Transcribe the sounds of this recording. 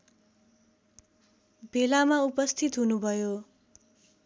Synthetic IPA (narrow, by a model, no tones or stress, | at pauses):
belamaupʌst̪ʰit̪ɦunubʱʌjo